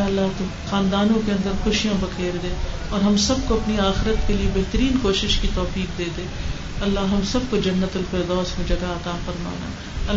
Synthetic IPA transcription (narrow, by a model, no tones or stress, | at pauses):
ɐlːaɦt̪o | xaːnd̪aːnõkeɐ̃nd̪əɾxʊʃijõbɐkeːɾd̪ẽː | ɔːɾɦɐmsɐb̚koɐpniaːxɪɾət̪keliebɛɦt̪əɾiːnkoːʃɪʃkit̪ɔːfiːk̚d̪eːd̪ẽː | ɐlːaɦɦɐmsɐb̚kod͡ʒɐnːət̪ʊlfɪɾd̪ɔːsmẽd͡ʒɐɡaɐt̪aːfɐɾma̰ːna̰ː | ɐ